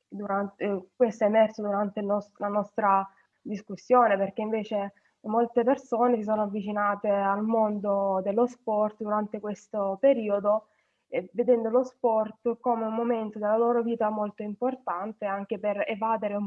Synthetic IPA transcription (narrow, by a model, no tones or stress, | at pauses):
d̪uɾant̪ekwest̪oemɛrt̪sod̪uɾant̪elnɔslanɔst̪ɾa | d̪iskusːjoːneperk̟eiɱveːt͡ʃe | molt̪epersoːnesis̬oːnoavːit͡ʃinaːt̪ealmond̪od̪elːospɔrt̪d̪uɾant̪ekwest̪opeɾiːod̪o | ved̪ɛnd̪olospɔrt̪koːmeummːoment̪od̪elːaloːɾoviːt̪amolt̪oimport̪ant̪eaŋk̟eperevaːd̪eɾeum